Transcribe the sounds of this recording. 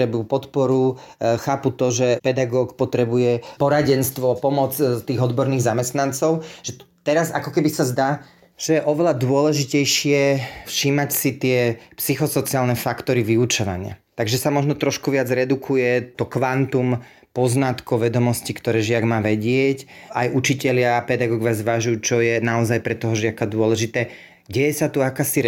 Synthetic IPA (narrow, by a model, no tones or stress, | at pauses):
ɾɛbupɔt̪pɔɾu | xaːput̪ɔʒɛpɛd̪aɡɔːkpɔt̪ɾɛbujɛpɔɾaɟɛnst̪ʋɔpɔmɔt͡st̪iːɣɔd̪bɔɾniːɣzamɛst̪nant͡sɔʊʒɛt̪ɛɾazakɔkɛbisazd̪aː | ʒ̥ɛjɛʔɔʋɛlad̪ʊɔlɛʒicɛjʃɪɛfʃiːmacsit̪ɪɛpsixɔsɔt͡siaːlnɛfakt̪ɔɾiʋiut͡ʃɔʋa̰ɲɪa̰t̪aɡʒɛsamɔʒnɔt̪ɾɔʃkuʋɪad͡zɾɛd̪ukʰujɛt̪ɔkʋant̪um | pɔznat̪kɔʊʋɛd̪ɔmɔscikt̪ɔɾɛːʒɪaɡmaːʋɛɟɪɛcajʔut͡ʃicɛʎɪaːpɛd̪aɡɔːɡɔʋjazʋaʒujut͡ʃɔjɛnaɔzajpɾɛt̪ɔɦɔʒɪakad̪ʊɔlɛʒit̪ɛː | ɟɛjɛsat̪uakaːsiɾ